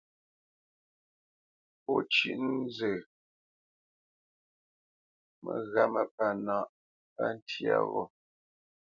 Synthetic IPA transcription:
pɔ˦t͡ʃi˦ʔn˦zə˨ | mə˨ɣa˦˨mə˨pa˨na˦˨ʔ | pa˦n˦tʰja̰˦˨vɔ˨

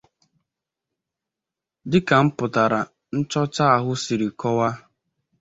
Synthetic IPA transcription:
dɪ˦ka˨m̩˦pʊ˨ta˨ɾa˨ | n̩˦t͡ʃɔ˦t͡ʃa˦a˨ɦʊ˦si˨ɾi˨kɔ˦wa˦

